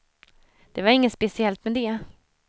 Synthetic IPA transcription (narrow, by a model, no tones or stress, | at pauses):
d̪̥ɛvaɾɪŋːəspɛsɪɛlt̪mɛd̪ɛ